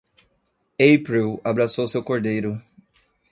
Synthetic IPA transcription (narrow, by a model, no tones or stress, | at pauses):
ejpɾiwabɾasowsewkoɾd̪ejɾʊ